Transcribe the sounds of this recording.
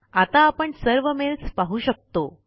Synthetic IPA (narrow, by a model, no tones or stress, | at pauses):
at̪aːpəɳsəɾʋəmelt͡spaɦuːɕək̚t̪o